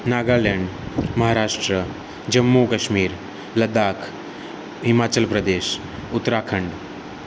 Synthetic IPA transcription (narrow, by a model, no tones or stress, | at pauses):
naːɡaːleɳɖmɐɦaːɾaːʂʈɾə | d͡ʑɐmːukɐʃmiːɾ | lɐd̪aːkʰ | ɦɪmaːt͡ɕəlpɾəd̪eːʃ | ʊt̪ːɾaːkʰəɳɖ